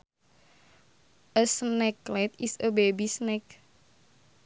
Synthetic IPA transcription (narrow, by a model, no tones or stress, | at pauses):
ʔəsnɛklɛt̪isəbebisnɛk